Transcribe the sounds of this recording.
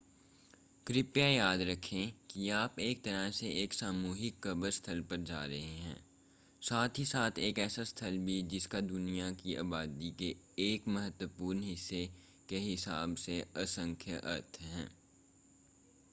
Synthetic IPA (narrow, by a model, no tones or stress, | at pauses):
kɾɪpjajaːd̪ɾɐkʰẽkiaːpeːk̚t̪ɐɾəɦseeːksaːmuːɦɪkːɐbəɾst̪ʰɐlpɐɾd͡ʒa̰ːɾɐɦeɦɛ̰̃ː | saːt̪ʰɦisaːt̪ʰeːkɛːsast̪ʰəlbʱid͡ʒɪskad̪ʊnijakiʔa̰ːbaːd̪ike | eːkmɐɦət̪wəpuːɾnɦɪsːe | keɦɪsaːbseɐsə̃ŋkʰjəʔɐ̰ɾt̪ʰɦɛ̰̃ː